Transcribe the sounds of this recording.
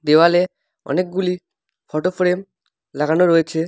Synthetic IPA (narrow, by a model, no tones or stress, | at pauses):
d̪ewale | ɔ̰nek̚ɡuli | fɔʈofɾem | laɡanoɾojet͡ɕʰe